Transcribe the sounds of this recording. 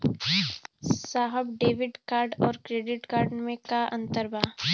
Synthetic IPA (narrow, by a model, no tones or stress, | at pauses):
saːɦəbɖeːʋɪɖkaːɾɖɔːɾkɾeːɖɪʈkaːɾɖmẽkaɐ̰̃nt̪əɾbaː